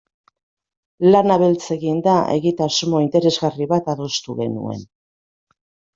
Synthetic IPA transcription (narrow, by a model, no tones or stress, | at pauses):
lanaβe̞lt͡se̞ɣind̪aʔe̞̰ɣit̪asumo̞int̪e̞ɾe̞zɣariβat̪aðo̞st̪uɣe̞̰nṵe̞̰n